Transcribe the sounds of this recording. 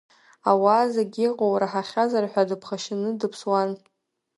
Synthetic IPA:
awaːzeɡʲiqʼowraħaχʲazarħʷᶣadɨpʰχaʃɪnɨdɨpʰswan

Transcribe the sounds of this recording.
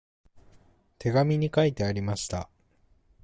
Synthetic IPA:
t̪ʰe̞ɡamʲiɲ̟ikait̪e̞aɾʲimaɕi̥t̪a̰

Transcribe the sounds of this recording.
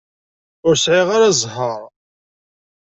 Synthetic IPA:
ʊɾsʕiʁaɾazˤɦəɾˤ

